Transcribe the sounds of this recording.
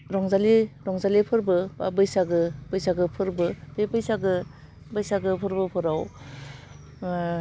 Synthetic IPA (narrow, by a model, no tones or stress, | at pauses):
ɾɔŋzaliɾɔŋzalipʰɯɾbɯba̰bɯjsaɡɯbɯjsaɡɯpʰɯɾbɯbebɯjsaɡɯ | bɯjsaɡɯpʰɯɾbɯpʰɯɾaw